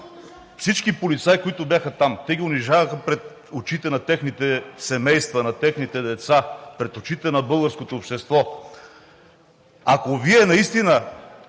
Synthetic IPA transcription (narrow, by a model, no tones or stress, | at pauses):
fsit͡ʃkipolit̪sajkoit̪ʊbjaxət̪amt̪ɛɡʲiʊniʒavəxəpɾɛt̪ | ot͡ʃit̪ɛnɐt̪ɛxnit̪ɛsɛmɛjst̪vɐnɐt̪ɛxnit̪ɛd̪ɛt̪sapɾɛt̪ot͡ʃit̪ɛnɐbɤlˠɡəɾskot̪oːpʃt̪ɛst̪vɔ | akoviɛnɐist̪inə